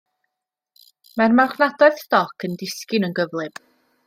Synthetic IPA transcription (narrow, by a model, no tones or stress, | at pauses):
marmaχnadɔɨθstɔkʰəndɪskɪnənɡəvlˠɪb̥